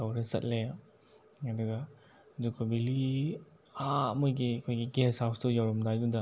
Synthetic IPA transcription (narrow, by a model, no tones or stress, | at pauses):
awɾɐsɐ̰t̚le | ɐduɡɐ | zukʰɔbili | amɔjɡikʰojɡiɡesawsdujawɾɔmdajdundɐ